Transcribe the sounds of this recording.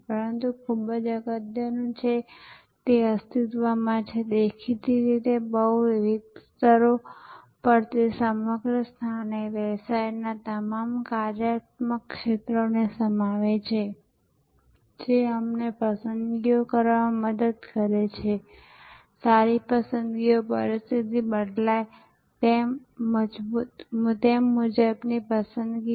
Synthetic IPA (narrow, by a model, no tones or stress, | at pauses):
pəɾənt̪ukʰubəd͡ʒəɡəd̪jənũt͡ʃʰe | t̪eəst̪it̪ʋamãt͡ʃʰed̪ekʰit̪iɾit̪ebəɦuʋiʋid̪̚st̪əɾo | pəɾt̪esəməɡɾəst̪ʰaneʋɛsajnat̪əmamkaɾjat̪məkːʃet̪ɾonesəmaʋet͡ʃʰe | d͡ʒeəmnepəsənd̪ɡijokəɾʋãməd̪əd̪kəɾet͡ʃʰe | saɾipəsənd̪ɡijopə̰ɾɪst̪ʰit̪ibəɖlaj | t̪emː | əd͡ʒbut̪mt̪emːud͡ʒəbnipəsə̃nd̪ɡi